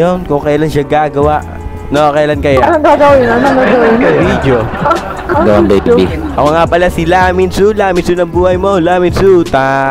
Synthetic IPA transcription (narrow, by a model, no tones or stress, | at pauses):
jonkʊŋkɐjaːlanʃaɡaːɡɐwaʔ | noʔkɐjalankɐjanɐŋɡaɡɐwjnɐnɡ̪aɡɐwɐvid̪jo | ɡɐwanbɐjpiiʔɐkoŋapɐlasɪlaːmɪnsulaːmɪnsunɐŋbuːhɐjmo̞laːmɪnsut̪a